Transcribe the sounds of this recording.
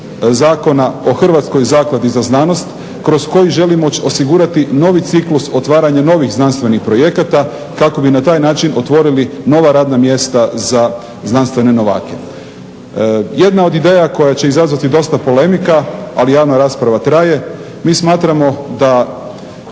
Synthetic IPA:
zaːko̞nao̞xr̩ʋat̪sko̞jzaːklˠad̪izaznano̞st̪ | kɾo̞zko̞jiʒe̞limoosiɡuɾat̪ino̞ʋit̪sikluso̞t̪ʋaːɾaɲano̞ʋixznanst̪ʋe̞nixpɾo̞je̞kat̪a | kako̞binat̪aːjnaːt͡ʃino̞t̪ʋo̞ɾilino̞ʋaɾaːd̪namje̞st̪aza | znanst̪ʋe̞ne̞no̞ʋa̰ːke̞ | je̞d̪nao̞d̪id̪eːjako̞jat͡ɕe̞izazʋat̪id̪o̞st̪apo̞le̞mikaalijaːʋnaɾaːspɾaʋat̪ɾaje̞ | miːsmaːt̪ɾamo̞d̪a

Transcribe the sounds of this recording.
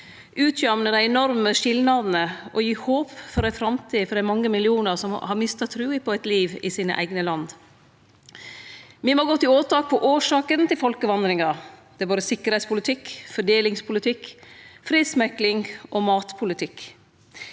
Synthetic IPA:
ʔʉːt̪ʰjɑmnəd̪æɪɛnɔɾməʂɪlnɑd̪nəʔɔjiːhoːpfɔɾæfɾɑmt̪ʰiːfɔɾd̪æɪmɑŋːəmɪlɪuːnəɾsɔmhɑɾmɪst̪ɑt̪ʰɾʉːɪpʰɔæɪt̪liːʋɪsiːnə̰ʔæ̰ɪɡnəlɑnd̪ | ʋimoːɡɔt̪ːɪoːt̪ʰɑːk̚pʰɔʔoːʂɑːkənt̪ɪlfɔlkəʋɑnd̪ɾɪŋɑɾd̪̥ɛæːboːd̪əsɪkːəɾɛɪtspʰʊlɪt̪ʰɪkfɔɖeːlɪŋspʰʊlɪt̪ʰɪkfɾiːd̪smɛklɪŋʔɔmɑːt̪pʰʊlɪt̪ʰɪk

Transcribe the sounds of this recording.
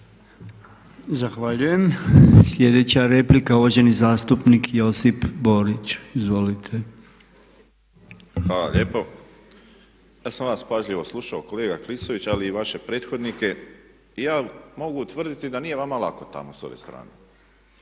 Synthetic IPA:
zaxʋaʎuje̞mslʲje̞d̪e̞t͡ɕaɾe̞plikauʋoʒe̞nizaːst̪upnikjo̞sipbo̞ɾit͡ɕizʋo̞lit̪ʰe̞ | xʋaːla̰ʎeːpo | jaːsamʋaːspaʒʎiʋo̞slˠuʃaokoleːɡaklisoʋit͡ɕaliːʋaʃe̞pɾeːt̪xo̞d̪nike̞ | ijaːmo̞ɡut̪ʋr̩d̪it̪id̪anije̞ʋamalˠako̞t̪a̰moso̞̰ʋest̪ɾa̰ːne

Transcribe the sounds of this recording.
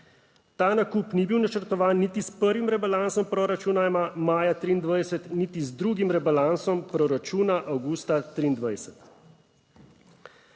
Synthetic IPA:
t̪aːnakuːpnibiwnat͡ʃəɾt̪ɔʋaːnːit̪ispəɾʋimɾɛbalansɔmpɾɔɾat͡ʃunamamaːjat̪ɾiːnd̪ʋajsɛt̪nit̪izd̪ɾuːɡimɾɛbalansɔmpɾɔɾat͡ʃuːnaʔawɡuːst̪at̪ɾiːnd̪ʋajsɛt̪

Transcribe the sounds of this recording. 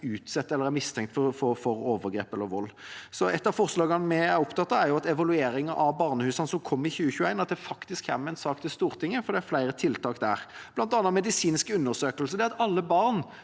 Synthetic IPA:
ʉːt̪sɛt̪ːɛlːəɾæɾmɪst̪ʰɛŋkt̪fɔfɔfɔɾoːʋəɾɡɾḛːpɛlːəɾʋɔlːsɔʔɛt̪ːɑʋfɔʁslɑːɡənmɛæɾʊpt̪ʰɑt̪ːɑæɾjʊɑt̪ɛʋɑlʉeːɾɪŋɑʔɑʋbɑʁnəhʉːsɑnəsɔmkʰɔmːɪçʉːəçʉːæɪnɑt̪̚d̪ɛfɑkt̪ɪskhæ̰ɾmæɪnsɑːkt̪ʰɪlst̪uːʁt̪ʰɪŋːəfɔɾd̪ɛæɾflæɪɾət̪ʰɪlt̪ʰɑːkd̪æ̰ːʁblɑnt̪ɑnːɑmɛd̪ɪsiːnskəʉnːəʁsøːkəlsəd̪ɛɑt̪ɑlːəbɑʁn

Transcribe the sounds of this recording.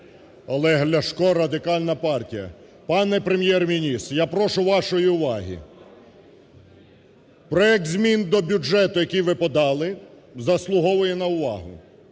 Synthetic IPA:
ɐlˠɛɦlʲɐʃkɔɾɐd̪ɪkɑlʲnɐpɑrtʲijɐ̰ | pɑnɛpɾemʲjɛrmʲinʲist̪japɾɔʃʊʋɑʃɔjiʊʋɑɦʲḭ | pɾɔɛk̚t̪zʲmʲind̪ɔbʲud͡ʒɛt̪ʊjɐkijʋɪpɔd̪ɑlˠɪ | zɐslˠʊɦɔʋʊjɛnɐʊʋɑ̰ɦʊ̰

